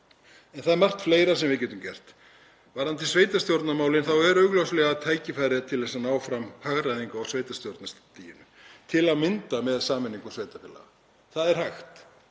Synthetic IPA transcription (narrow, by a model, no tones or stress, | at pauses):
ɛnθaðɛɾmar̥t̪fleːjɾas̬ɛmvɪcɛːt̪ʏmcɛr̥t̪ | vaɾhanːt̪ɪlsveːjt̪ast̪jowɾt̪namaːwlɪnθawɛɾœɥɣlowslɛɣaːðt̪ʰaːjcɪfajɾɪðat̪ʰɪlðɛsanaːwfɾamhaɣɾajðiŋkaawsveːjt̪ast̪jowɾt̪nast̪ijɪnʏ | t̪ʰɪlaðmɪnt̪amɛðsaːmɪnːiŋkʏnsveːjt̪apɪla̰ɣa̰ | θaðɛɾ̥hajxt̪